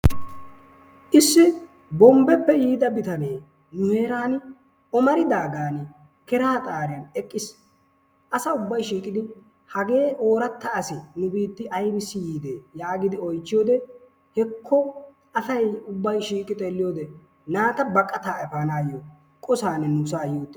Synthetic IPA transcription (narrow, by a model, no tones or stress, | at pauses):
ʔɪsːɪ | bɔmbɛpːɛjiːd̪ɐbɪt̪ɐneː | nʊhe̞ːɾaːn | ɔmɐɾɪd̪aːɡaːn | kɛɾaːt̪ʼaːɾjɐnɛkʼːɪs | ʔɐsɐʊbːɐjʃiːkʼɪd̪ɪ | hɐɡe̞ːʔo̞ːɾɐt̪ːɐːsɪnʊbiːt̪ːɪʔɐjbɪsːɪjiːd̪eːjaːɡɪd̪ɪɔjt͡ʃːɪjoːd̪ɛ | hɛkʰːɔ | ɐsɐjʊbːɐjʃiːkʼɪt̪ʼeːlːɪjoːd̪ɛ | naːt̪ɐbɐkʼːɐt̪aːɛpaːnaːjo | kʼɔsaːnɛnʊsaːjoːt̪ːɛ